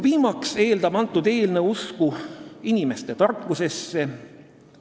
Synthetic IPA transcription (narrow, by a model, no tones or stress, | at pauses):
viːmɑkse̞ːld̪ɑb̥ɑnt̪ːˑud̪e̞ːlne̞uskuinʲime̞st̪e̞t̪ɑrkːuse̞sːe̞